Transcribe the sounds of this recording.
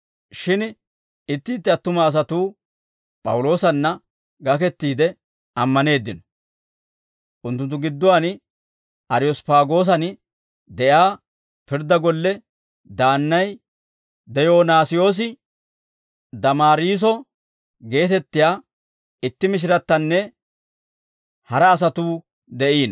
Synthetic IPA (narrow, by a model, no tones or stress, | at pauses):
ʃɪn | ɪt̪ːɪːt̪ːɪɐt̪ːʊmaːs̬ɐt̪uː | pʼɐ̰wʊlo̞ːsɐnːɐ | ɡɐkɛt̪ːiːd̪ɛ | ʔɐmːɐne̞ːd̪ːɪnɔ̥ | ʔʊnt̪ːʊnt̪ːʊɡɪd̪ːɔwan | ɐɾɪjɔspaːɡo̞ːs̬ɐn | d̪ɛjaː | pɪɾd̪ɐɡɔlːɛ | d̪aːnːɐj | d̪ɛjo̞ːnaːsɪjo̞ːs̬ɪ | d̪ɐmaːɾiːs̬ɔ | ɡe̞ːt̪ɛt̪ːɪjaː | ɪt̪ːɪmɪʃ̬ɪɾɐt̪ːɐnːɛ | hɐɾɐːs̬ɐt̪uː | d̪ɛʔiːn